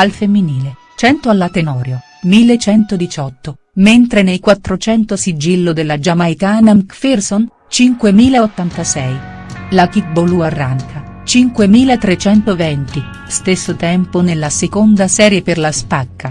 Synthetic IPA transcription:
alfemːiniːle | t͡ʃɛnt̪oalːat̪enɔːɾjo | milːet͡ʃɛnt̪od̪it͡ʃɔt̪ːo | ment̪ɾenejkwat̪ːɾot͡ʃɛnt̪osid͡ʒilːod̪elːad͡ʒamajkaːnamkferson | t͡ʃiŋkwemiːlaot̪ːant̪asɛj | lak̟ik̚boluarːaŋkʰa | t͡ʃiŋkwemiːlat̪ɾet͡ʃɛnt̪ovɛnt̪i | st̪esːot̪ɛmponelːasekond̪asɛːɾjeperlaspakːa

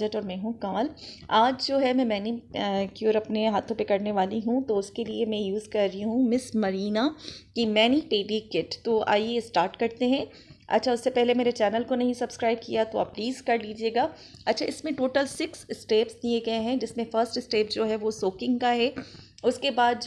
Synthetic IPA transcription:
əʈɔːɾmɛ̃ːɦũkaːlaːd͡ʒd͡ʒoːɦɛmɛ̃mɛːnikjoɾɐpneɦaːt̪ʰõpekɐɾneʋaːliɦũt̪oʊskeliemɛ̃juːzkɐɾːiɦũmɪsmɐɾiːnakimɛːniʈeːɖikɪʈt̪oːa̰ːjesʈaːɾʈkɐɾt̪eɦɛ̃ | ɐ̰tːʃʰaʊsːepɛɦlemeːɾet͡ʃɛːnəlkonɐɦĩsɐbskɾaːɪb̚kijat̪oa̰ːp̚liːzkɐɾliːd͡ʒieːɡaː | ɐtːʃʰaɪsmẽʈoːʈəlsɪkssʈeːpsd̪ieɡɐeɦɛ̃d͡ʒɪsmẽfəɾsʈɪsʈeːpd͡ʒoːɦɛʋosoːkɪ̃ŋɡkaɦɛ | ʊskebaːd̪̚d͡ʒ

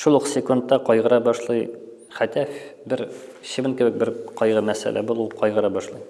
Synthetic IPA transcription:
ʃulˠuqsʲɪkont̪ːɑqɒjʁɤ̆ɾɑbɒʃlˠɤj | χæt̪æfbɘɾ | ɕɘ̆vɘnkɘ̆bɘk̚bɘɾqɒjʁɤmæsæ̰læ̰bulˠuqɒjʁɤ̆ɾɑbɒʃlˠɤj

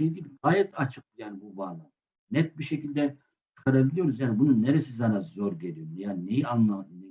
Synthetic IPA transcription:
ejd̪ibɡaːjɛt̪ʰat͡ʃʰɯk̪̚jaːnibubaːlˠam | nɛt̪̚biʃecilʲd̪ɛ | t͡ʃʰɯ̥kʰaɾabilʲˠijo̞ɾuzjaːnibununːeɾesizanazo̞ɾɟe̞lʲijoɾjaːninejianlˠamn

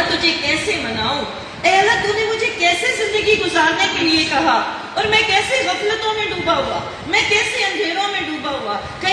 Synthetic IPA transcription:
t̪ʊd͡ʒʱekɛːseːmənaːoː | ɛːəlːaːt̪ʊneːmʊd͡ʒʱeːkɛːseːzɪ̃nd̪əɡiɡʊzaːɾneːkelɪeːkɐɦaː | ɔːɾmɛ̃ːkɛːseːɣəfʰlət̪õːmẽɖũːbaːɦoaː | mɛ̃ːkɛːseːə̃nd̪ʱeːɾõːmẽɖuːbaːɦuaː | kə

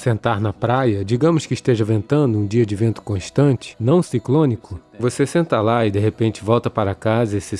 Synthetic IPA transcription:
sẽnt̪aɾnɐpɾajɐd͡ʒiɡɐ̃mʊskɪːʃt̪eʒɐvẽnt̪ɐ̃nd̪ʊũd͡ʒiɐd͡ʒɪvẽnt̪ʊ̥kõʃt̪ɐ̃t͡ʃɪ̥nɐ̃w̃siklõnikʊ | vosesẽnt̪ɐlaɪd̪eɦepẽnt͡ʃɪvɔwt̪ɐpaɾɐkazɐesɪ

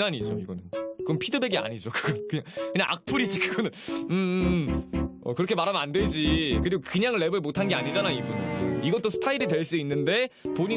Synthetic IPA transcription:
aɲid͡ʑoiɡʌnɯnkɯɡʌmpʰidɯbe̞ɡea̰ɲid͡ʑokɯ̥ɡ̥ʌnkɯɲaŋkɯɲaŋʔa̰k̚pʰuɾid͡ʑikɯɡʌnɯnɯ | ʌ̰kɯɾʌkʰe̞maɾɦamandwed͡ʑikɯɾiɡokɯɲaŋɭːe̞bɯɭmotʰanɡe̞aɲid͡ʑanaibuneiɡʌt͈osʰɯ̥tʰaiɾitwe̞ɭs͈uinːɯnde̞poɲi

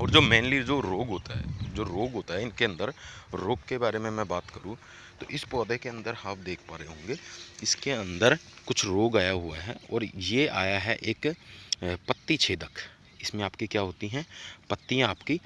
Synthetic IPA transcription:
ɔːɾd͡ʒoːmẽːnlid͡ʒoːɾoːɡɦoːt̪a̰ɦɛ̰d͡ʒoːɾoːɡɦoːt̪aɦɛɪnkeɐ̃nd̪əɾɾoːɡkebaːɾemẽmɛ̃baːt̪kɐɾũ | t̪o̰ːʔɪspɔːd̪ekeɐ̃nd̪əɾhaːp̚d̪eːkʰpaːɾeɦõːŋɡeːɪskeɐ̃nd̪əɾkʊt͡ʃʰɾoːɡaːjaɦʊa̰ɦɛ̰ɔːɾjea̰ːjaɦɛʔeːk | pət̪ːit͡ʃʰeːd̪əkʰ | ɪsmẽaːpkikjaːɦoːt̪iɦɛ̃pɐt̪ːiãaːpki

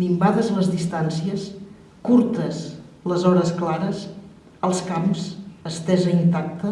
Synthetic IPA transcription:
bimbaðəzləzðist̪ansiəs | kuɾt̪əs | ləzɔɾəsklaɾəs | əlˠskamsəst̪ɛzəint̪ak̚t̪ə

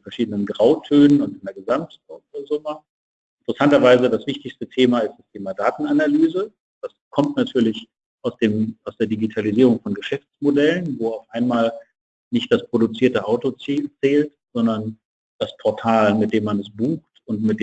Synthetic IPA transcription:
fɛɐʃiːdənənɡʁaʊtʰøːnənʊntɪndeːɐɡəzamtpʰɔtozʊmə | ʔɪntəʁəsantɐvaɪzədasv̥ɪçtɪçstətʰeːmaɪst̚d̥astʰeːmadaːtn̩analyːzə | d̥askʰɔmtnatʰyːɐlɪç | ʔaʊsd̥eːmaʊsd̥eːɐdiɡitʰaliziːʁ̞ʊŋfɔnɡəʃɛft͡smodɛlənvoːaʊfʔaɪnmaːl | nɪçt̚d̥aspʁ̥oɾut͡siːɐtəʔaʊtot͡sːt͡sɛːltz̥ɔndɐn | d̥aspʰɔɐtʰaːlmɪt̚d̥eːmːanɛs̬b̥uːxtʊntmɪt̚d

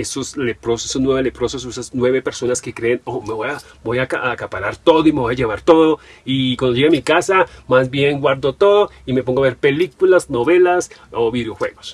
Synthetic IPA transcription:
esoslepɾosesonweβelepɾosesoesasnwe̞βe̞peɾso̞naske̞kɾeːnome̞βoja | bojakaakapaɾaɾt̪o̞ðoimeβojaʝeβaɾt̪oðoikwand̪oʝeɣamikasamazbje̞ŋɡwaɾd̪o̞t̪oðoimepoŋɡoaβe̞ɾpe̞likulasno̞βe̞lasoβiðjo̞xwe̞ɣos

